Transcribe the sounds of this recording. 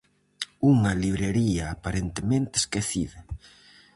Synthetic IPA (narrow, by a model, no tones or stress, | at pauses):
uŋɐliβɾeɾiɐːpaɾent̪emẽnt̪eːskeθḭðɐ